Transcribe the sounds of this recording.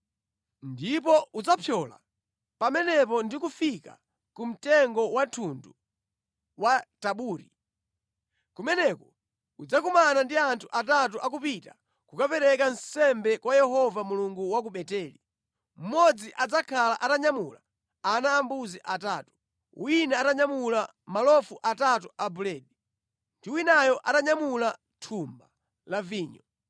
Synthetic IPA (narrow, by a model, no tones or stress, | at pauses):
ndip̬ɔud͡zapʰjɔla̰ | pamɛnɛp̬ɔndikufika̰ | kum̩tɛŋɡɔwatʰundu | wataɓuːɾi | kumɛnɛkɔ | ud͡zakumanandiantʰuʔatat̬uʔak̬upita | kukapɛɾɛkansɛmbɛkwajɛɦɔvamuluŋɡuwak̬uɓɛtɛːli | m̩mɔd͡ziʔad͡zakʰalaʔataɲamula | anaːmbuziʔataːtu̥ | winɛataɲamula | malɔfuʔatatuʔabulɛːɗi | ndiwinajɔʔataɲamula | tʰumba | laviːɲɔ